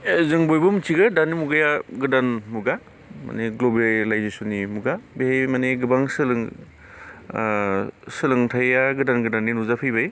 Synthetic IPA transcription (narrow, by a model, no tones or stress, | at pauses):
zɯŋbojbɯmɯtʰiɡɯdanːimuɡajaɡɯdanmuɡa | ma̰neɡlobalajzesɔnimuɡabehejmaneɡɯbaŋsɯlɯŋ | sɯlɯŋtʰajaɡɯdanɡɯdaninuzapʰɯjbaj